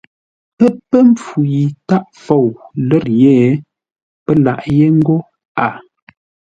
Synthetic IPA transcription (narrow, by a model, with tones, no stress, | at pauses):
pə˦pə˦m˦fu˨ji˨ta˦ʔfo˨wlə˦˨ɾjɛ˦˨ | pə˦la̰˨ʔje˦ŋ̩˦ɡo˦ | a˨